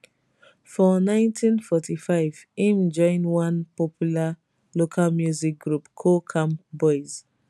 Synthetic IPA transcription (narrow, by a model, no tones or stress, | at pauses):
fɔnãɪ̃ntʰĩnfɔtʰifaɪvĩmd͡ʒɔ̃ɪ̃nwãnpɔpjula | lokʰalmjuzik̚ɡɹupkʰokʰãmpbɔɪz